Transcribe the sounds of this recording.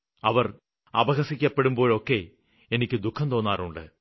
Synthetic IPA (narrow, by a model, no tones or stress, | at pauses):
ɐʋɐr | ɐ̰bɐɣɐsikʲːɐpːe̞ɽumbo̞ːɭo̞ːkːe̞ | enikʲːɨd̪ukʰːɐnt̪o̞ːnːaːruɳɖɨ̰